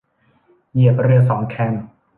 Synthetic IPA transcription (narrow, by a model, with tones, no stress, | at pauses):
ji˨˩əp̚ɾɯ˧əs̬ɔː˩˦ŋkʰɛ˧n